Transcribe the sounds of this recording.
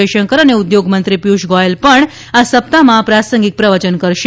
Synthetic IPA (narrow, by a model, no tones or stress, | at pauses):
eʃəŋkəɾəneud̪joɡmənt̪ɾipjuʃɡɔelpəɳ | asəp̚t̪amãpɾasəŋɡik̚pɾəʋət͡ʃənkəɾʃ